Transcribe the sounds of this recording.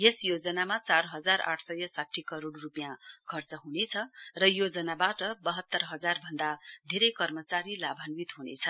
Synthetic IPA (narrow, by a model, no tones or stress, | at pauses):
jesjod͡zʌnamat͡sarɦʌd͡zara̰ʈʰsʌjʌsaʈʰːikʌɾoɽrupjãkʰʌrt͡sʌɦunet͡sʰʌrʌjod͡zʌnabaʈʌbʌɦʌt̪ːʌrɦʌd͡zarbʱʌnd̪ad̪ʱeɾʌjkʌrmʌt͡saɾilabʱanwit̪ɦunḛt͡sʰʌ